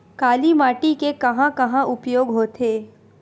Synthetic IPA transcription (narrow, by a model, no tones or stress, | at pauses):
kaːlimaːʈikekɐɦãkɐɦãʔʊpjoːɡɦoːt̪ʰeː